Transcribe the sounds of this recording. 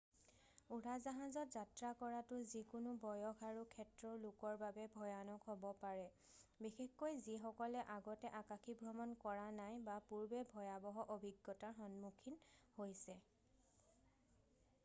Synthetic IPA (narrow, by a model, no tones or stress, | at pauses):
uɹazaɦazɔtzatɹakɔɹatʊzikʊnʊbɔjɔkaɹukʰɛtɹɔlʊkɔɹbabɛbʱɔjanɔkɦɔbɔpaɹɛ | bixexkːojzixɔkɔlɛʔaɡɔtɛʔakaxʰibʱɹɔmɔnkɔɹanajbapuɹbɛbʱɔjabɔɦɔʔobʱiɡːɔtaxɔnmukʰinhojsɛ